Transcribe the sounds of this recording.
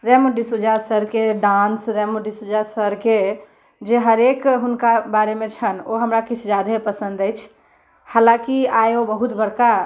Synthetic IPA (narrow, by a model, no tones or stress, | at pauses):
ɾɛmoɖisud͡ʒasəɾkeɖãnsɾɛmoɖisud͡ʒasəɾke | d͡ʒeɦəɾekɦʊnkabaɾemẽt͡ʃʰənoɦəmɾakit͡ʃʰd͡ʒad̪epəsə̃nd̪əjt͡ʃʰ | haːlãkiajobəɦut̪bəɽka